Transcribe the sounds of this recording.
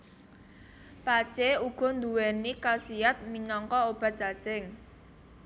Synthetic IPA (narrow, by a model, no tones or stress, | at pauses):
pat͡ʃeuɡ̥ɔ̤nd̪uwɛnikasijat̪̚minɔŋkɔob̥a̤t͡ʃa̤̥t͡ʃɛŋ